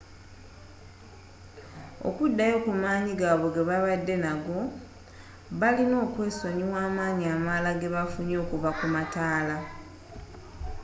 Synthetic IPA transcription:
o̞̰kudːajo̞kumaːɲiɡaːβo̞ɡe̞βaβadːe̞naɡo̞ | βalino̞ːkwe̞ːso̞ɲiwaːmaːɲiamalaɡe̞βafuɲo̞ːkuvakumataːla

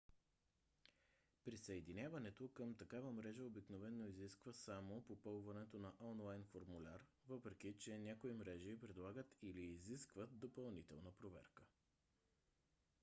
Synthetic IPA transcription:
pɾisəɛd̪inʲjavənɛt̪okəmt̪ɐkavəmɾɛʒəobiknovɛnːoiziskvəsamopopɤlˠvɐnɛt̪onɐʔɔnlˠajnfoɾmulʲaɾ | vɤpɾɛk̟it͡ʃɛnʲakoimɾɛʒiːpɾɛd̪lˠaɡət̪iliːziskvət̪̚d̪opɐlˠnit̪ɛ̰lˠnəpɾovɛ̰ɾkə̥

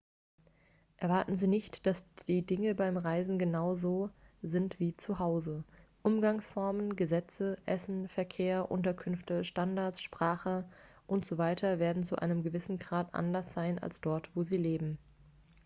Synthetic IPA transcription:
ʔɛɐvaɐtn̩ziːnɪçtd̥asiːdɪŋəbaɪmʁaɪzn̩ɡənaʊzoːzɪntv̥iːt͡suhaʊzəʔʊmɡaŋsfɔɐmənɡəzɛt͡səʔɛsn̩fɛɐkʰeːɐʔʊ̰ntɐkʰʏnftəʃtandaɐsʃpʁ̥aːχə | ʔʊntz̥ovaɪtʰɐveːɐdn̩t͡suʔa̰ɪnəmɡəvɪsn̩ɡʁaːtʔa̰ndɐsz̥aɪna̰lsd̥ɔɐtv̥oːziːleːbm̩

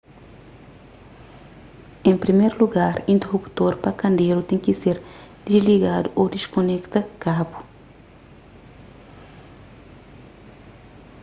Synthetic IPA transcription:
ẽmpɾimeɾluɡaɾĩnt̪erupu̥t̪oɾpɐkɐ̃nd̪eɾut̪ẽŋkiseɾd̪̥izliɡad̪uʔod̪iʃkonɛkt̪ɐkabu̥

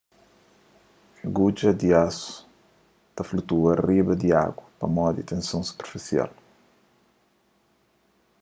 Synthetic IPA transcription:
ɡud͡ʒɐd̪iasu̥ | t̪ɐflut̪uɐribɐd̪ia̰ɡwɐpɐ̰mɔd̪it̪ẽnsõsu̥peɾfisia̰l

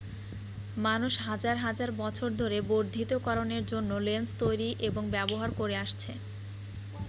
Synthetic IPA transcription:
manuʃɦad͡ʑaɾɦad͡ʑaɾbɔt͡ɕʰoɾd̪ʱoɾeboɾd̪ʱit̪okɔɾoneɾd͡ʑonːolenst̪ojɾiʔeboŋbɛboɦaɾkoɾeaʃt͡ɕʰe

